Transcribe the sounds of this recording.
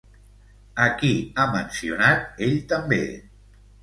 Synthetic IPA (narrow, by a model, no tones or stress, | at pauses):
əkiamənsiunat̪̚eʎt̪əmbe